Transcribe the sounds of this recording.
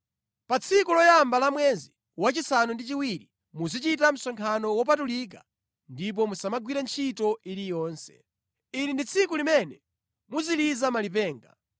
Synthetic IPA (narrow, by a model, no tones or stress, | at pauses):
pat͡sʰikulɔjambalamwɛzi | wat͡ʃisanundit͡ʃiwiɾi | muzit͡ʃitam̩sɔŋkʰanɔwɔp̬atulik̬a | ndip̬ɔmusamaɡwiɾant͡ʃʰitɔʔilijɔːnsɛ̥̰ | inindit͡sʰikulimɛnɛ | muzilizamalip̬ɛːŋɡa̰